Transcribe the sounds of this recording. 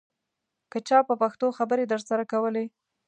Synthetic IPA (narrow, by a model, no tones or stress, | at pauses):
kət͡ʃɑpəpaxt̪oxabəɾed̪əɾsaɾakawəle